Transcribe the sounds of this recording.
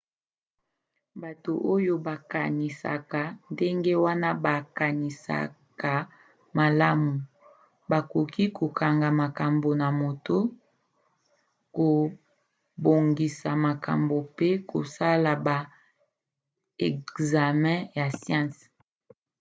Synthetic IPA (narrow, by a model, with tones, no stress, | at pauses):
ba˨to˨ʔo˦jo˦ba˨ka˨ni˨sa̰˨ka˨nde˦ŋɡe˦wa˦na˦ba˨ka˨ni˨sa̰˨ka˨ | ma˨la˦mu˨ | ba˨ko˨kʰi˦ko˨kʰa˨ŋɡa˨ma˨ka˨mbo˨na˨mo˨to˦ | ko˨ | bo˨ŋɡi˨sa˨ma˨ka̰˨mbo˨pe˦ko̰˨sa˦la˨ba˨ | ɛ˨za˨mɛ̃˦ja˨sjã˦˨s